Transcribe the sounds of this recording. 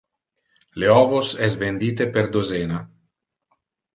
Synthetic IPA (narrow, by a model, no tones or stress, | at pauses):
leɔːvosɛs̬vend̪iːt̪epeɾd̪ozeːna